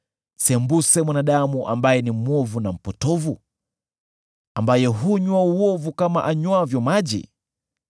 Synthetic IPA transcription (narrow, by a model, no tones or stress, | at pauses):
sɛmbusɛmwanaɗamuʔa̰mbajɛnimwɔvunam̩pɔtɔvu | ambajɛɦuɲwauɔvukama̰ʔaɲwavjɔmaʄḭ